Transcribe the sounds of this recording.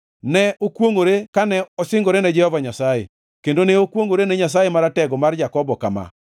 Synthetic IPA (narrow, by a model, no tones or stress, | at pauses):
nɛokwoŋoɾekanɛɔsɪŋɡoɾenɛd͡ʒɛhɔvaɲasajḛ | kendoneokwoŋoɾenɛɲas̬ajemaɾatɛɡɔmard͡ʒakɔbɔka̰ma̰